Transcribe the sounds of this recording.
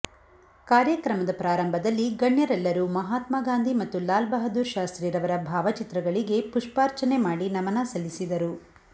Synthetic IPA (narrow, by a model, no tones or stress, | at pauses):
kaːɾjɐkɾɐmɐd̪ɐpɾaːɾɐmbʱɐd̪ɐlːiɡɐɳjɐɾɛlːɐɾumɐɦaːt̪maːɡaːnd̪ʱimɐt̪ːulaːlbɐɦɐd̪uːɾʃaːst̪ɾiːɾɐʋɐɾɐbʱaːʋɐt͡ʃit̪ɾɐɡɐɭiɡe̞puʂpaːɾt͡ʃɐnemaːɽinɐmɐnɐsɐlːisid̪ɐɾu